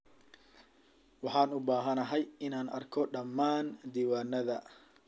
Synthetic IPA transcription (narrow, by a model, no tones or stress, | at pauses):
wɑħɑːnʊbaːɦɐnɐɦɛjɪnaːnɐ̰rkʰɔɖɐmːaːnd̪iːwaːnɐðɐ